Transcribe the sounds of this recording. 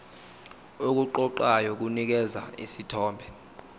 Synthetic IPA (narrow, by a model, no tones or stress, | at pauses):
ok̬uǃɔǃajɔk̬unik̬ɛza̰ḭsitʰɔːmbʱɛ